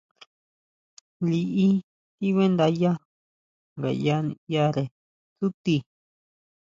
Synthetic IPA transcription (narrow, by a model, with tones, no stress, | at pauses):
li˧ʔi˦ | t̪i˦βe˦nd̪a˧ja˦ | ŋɡa̰˨ja˦nĩ˧ja˧ɾe˨ | su˦t̪i˧